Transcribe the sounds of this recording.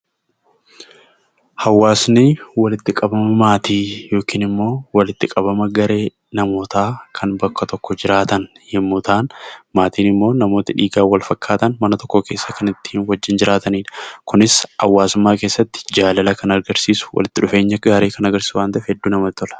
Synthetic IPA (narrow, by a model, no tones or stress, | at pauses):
hɐwːaːsnɪwɐlɪt̪ːɪkʼɐbɐmɐmaːt̪iːjo̞ːkiːnɪmːo̞ːwɐlɪt̪ːɪkʼɐbɐmɐɡɐɾe̞ː | nɐmo̞ːt̪aːkʰɐnbɐkːɐt̪ɔkːɔd͡ʒɪɾaːt̪ɐn | hɪmːuːt̪aːnmaːt̪iːnɪmːo̞ːnɐmo̞ːt̪ɪᶑiːɡaːwɐlfɐkːaːt̪ɐnmɐnɐt̪ɔ̥kːoke̞ːsːɐkɐnɪt̪ːi̥ːnwɐd͡ʒːɪnd͡ʒɪɾaːt̪ɐniːᶑɐkʊnɪshɐwːaːsʊmːaːkeːsːɐt̪ːɪ̥d͡ʒaːlɐlɐkɐnɐɾɡɐɾsiːsʊ̥wɐ̰lɪt̪ːɪᶑʊfe̞ːɲːɐɡaːɾiːkɐnɐɡɐɾsʊwaːnt̪ɐʔɛfhɛd̪ːuːnɐmɐt̪ːɔlɐ̥